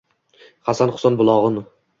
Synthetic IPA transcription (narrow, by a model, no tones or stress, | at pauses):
χasanχʊ̥sanbʊlˠɒʁɨn